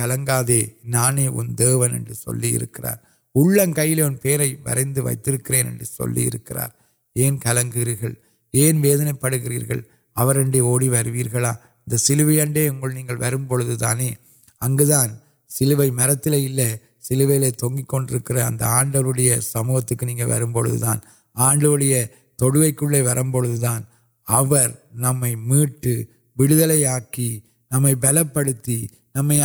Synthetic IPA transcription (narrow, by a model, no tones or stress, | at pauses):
kɐlɐŋɡaːðeːnaːneːʔʊ̰nd̪eːʋɐnɛ̰ndrɯsɔ̰lːijɪ̰ɾɯkːɪra̰ːɾ | ʊɭːɐnkɐjːɪleːɔnpeːɾɐɪʋɐ̰ɾɐɪnd̪ɯʋɐ̰ɪt̪ːɪɾɯkːɪreːnɛ̰ndrɯsɔ̰lːḭjɪ̰ɾɯkːɪra̰ːɾ | eːnkɐlɐŋɡɯɣɾiːɾɣɐɭ | eːnʋeːðɐnɐɪpːɐɽɯɣɪrḭːɾɣɐ̰ɭ | ɐʋɐɾɛɳɖeoːɽiʋɐɾɯʋiːɾɣɐɭaː | ɪnd̪ɐsɪlɯʋɐjɐɳɖeːʊŋɡɐɭniːŋɡɐɭʋɐɾɯmpɔɭɯðɯt̪a̰ːneː | ɐŋɡɯðaːn | sɪlɯʋɐɪmɐɾɐt̪ːɪleːɪlːɐ | sɪlɯʋɐjɪleːt̪ɔŋɡikːɔɳɖɪɾɯkːɪrɐ̰ːnd̪ɐ̰aːɳɖɐʋɯɽɐjɐsɐmuːɣɐt̪ːɯkːɯniːŋɡɐʋɐ̰ɾɯmpɔɻɯ̰ðɯ̰ta̰ːn | aːɳɖɐʋɯɽɐjɐ | t̪ɔɽɯʋɐɪkːɯɭːeːʋɐɾʔɐmpɔɻɯðɯðaːn | ɐʋɐɾnɐmːɐɪmiːʈːɯ | ʋɪɽɯðɐlɐɪaːki | nɐmːɐɪbɛlɐpːɐɽɯt̪ːi | nɐmːɐɪ